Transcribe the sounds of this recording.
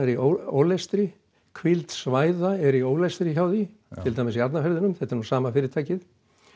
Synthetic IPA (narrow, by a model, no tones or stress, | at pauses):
ɛɾiʔoo̰wlɛst̪ɾɪ | kʰvilt̪svaːjðaɛɾioːwlɛst̪ɾɪçaːwðɪ | t̪ʰɪlt̪ʰajmɪsiat̪nafɛɾðɪnʏmθɛt̪aɾnusaːmafɪːɾɪɾt̪ʰajcɪθ